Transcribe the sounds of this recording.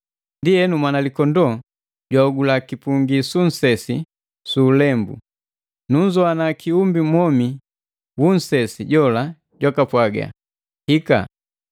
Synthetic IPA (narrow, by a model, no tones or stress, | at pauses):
ndiɛnumwanalikɔndɔ | ɟwauɡulakipuŋɡisun̩sɛsi | suːlɛmbṵ | nuɲd͡ʒɔanakiumbimɔmi | wun̩sɛsiɟɔla | ɟwakapwaɡa̰ | hika̰